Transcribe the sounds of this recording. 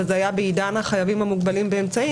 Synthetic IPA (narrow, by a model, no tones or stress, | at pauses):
azajabeidanaχajavimhamuɡbalimbeemt͡sai